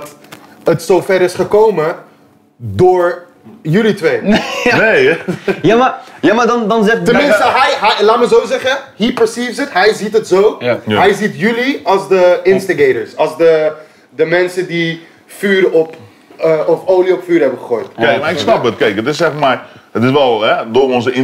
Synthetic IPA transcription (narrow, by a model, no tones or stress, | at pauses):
t | ətsowfɛɾɪsχəkowmə | dʊːɹ | jylitʋejnejjaajamaːdndɑnzɛtənmɪnstəɛjɦɛlaːtməzowzɛχəhipəɹsiːfsətɦɛjzitətzowɦɛjzitjyliɑlˠzdəɪnstaɡejtəɹsɑlˠsdə | dəmɛnsədi | fyːɾɔp | əɔfoːliɔpfyːɾɦɛbəχəχoːjtkek̚maɪkksnɑp̚ʋətkejkətɪsɛχmaətɪsʋɛlˠɦɛdʊːrɔnzəɪ